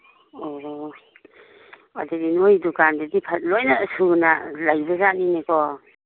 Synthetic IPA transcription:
ɔɾɔ | a̰dedinojdukandɯdipʰat̚lojnaːsuna̰lajbɐzaninekʰɔ

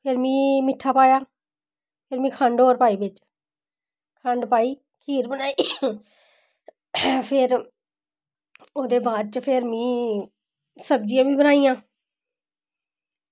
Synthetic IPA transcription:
pʰɪɾmĩːmɪʈʰːaːpaːjaː | pʰɪɾmĩːkʰə̃ɳɖoːɾpaːiːbɪt͡ʃ | kʰə̃ɳɖpaːiː | kʰiːɾbənaːi | pʰɪɾ | oːd̪eːbaːd̪̚t͡ʃəpʰɪɾmĩː | səb̚d͡ʒijãːʋĩːbənaːijãː

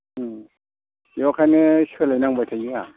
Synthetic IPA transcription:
jokaneʃelanaŋbatʰajia

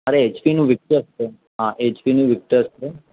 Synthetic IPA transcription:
əɾeet͡ʃʋinũʋɪk̚ʈəɾst̪e | ɦãʔeːt͡ʃʋinũʋɪk̚ʈəɾst̪e

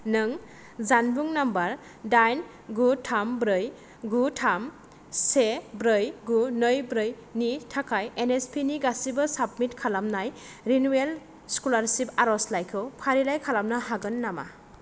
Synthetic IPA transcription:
nɯŋ | zanbuŋnambaɾ | dajn | ɡutʰambɾɯj | ɡutʰam | sebɾɯjɡunɯjbɾɯj | nitʰakʰajenespʰiniɡasibɯsap̚mitkʰalamnaj | ɾinuel | skulaɾsipaɾɔslajkʰɯwpʰaɾilajkʰalamnaɦaɡɯnːama̰

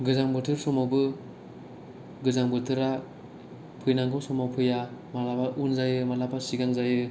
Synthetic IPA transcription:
ɡɯzaŋbɯtʰɯɾsɔmawbɯ | ɡɯzaŋbɯtʰɯɾa | pʰɯjnaŋkʰɯwsɔmawpʰɯjamalapaʔunzajɯmalapʰasiɡaŋzajɯ

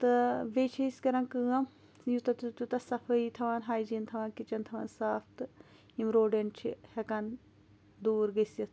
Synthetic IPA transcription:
t̪ɨʋeːt͡ʃʰɐiskɐɾɐ̃nkɨːɐ | jut̪ɐt̪ut̪ut̪ɐsɐfʰɐit̪ʰɐʋaːnɦaːjd͡ʒiːnt̪ʰɐʋaːnkit͡ʃɐnt̪ʰɐʋaːnsaːfʰt̪ɨ | imɾoːɖeɳʈt͡ʃʰihekan | d̪uːɾɡɐsɐt̪ʰ

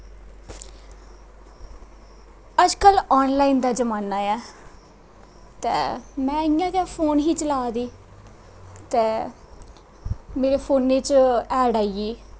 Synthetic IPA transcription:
əd͡ʒkəlɔːnlaːiːnd̪aːd͡ʒəmaːnaːjɛː | t̪ɛːmɛ̃ːɪjãːkɛːpʰoːnɦiːt͡ʃəlaːd̪iː | t̪ɛː | meːɾeːpʰoːnːeːt͡ʃɛːɖaːieː

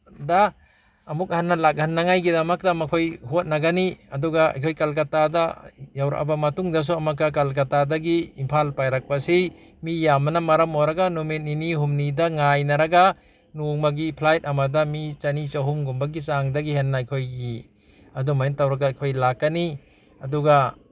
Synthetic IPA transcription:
daː | muk̚hanːalak̚ɦanːaŋajɡidɐmɐk̚damɐkʰojɦot̚naɡaniɐduɡaa̰jkʰojkalkatadajawɾa̰ʔa̰bamɐtuŋdɐs̬uɐmakːak̬alk̬atadaɡiːmpʰalpajɾak̚pasij | mijamnɐmɐɾɐmoɾɐɡanumitiniɦumnidɐŋajnɐɾɐɡa | nuŋmaɡipʰlajt̚ɐmadɐmit͡ʃɐnit͡ʃaɦumɡumbɐɡisaŋdɐɡiɦenːaːjkʰojɡi | ɐdumajentawɾaɡajkʰojlakːani | ɐduɡa

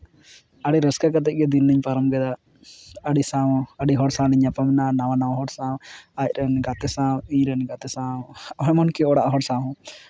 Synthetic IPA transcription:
aɽiɾəskakat̪̬ɛʔc̚ˀɡɛd̪inːiɲpaɾɔmɡɛd̪a | əɖisãəɖiɦɔɽsãliɲapamnanawanawaɦɔɽsãwacɾɛnɡat̪ɛsãwiɲɾɛnɡat̪ɛsãɔɦɛmɔnkiɔɽaʔɦɔɽsãɦɔ̃

